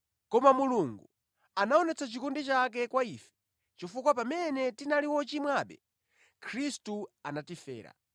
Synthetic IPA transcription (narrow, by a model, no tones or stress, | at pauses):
kɔmamuluŋɡu | anaɔnɛt͡sʰat͡ʃikundit͡ʃak̬ɛkwaiːfɛ̥ | t͡ʃifukwapamɛnɛtinaliwɔt͡ʃimwaɓɛ | kʰɾistuanatifɛ̰ːɾa̰